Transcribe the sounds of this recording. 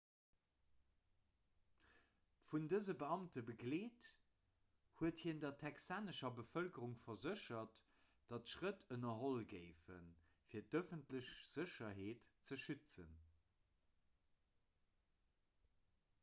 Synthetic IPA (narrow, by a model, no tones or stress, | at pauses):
fundəzəbəɑmtəbəɡleːt | huəthiːndɐtʰɛksaːnəʃɐbəfœlkəʁuŋfɐzəʃɐt | d̥ɑtʃʁətʰənɐɦolɡəɪfə̰n | fiːɐtœfəntləɕz̥əɕɐɦeːtt͡səʃyt͡sən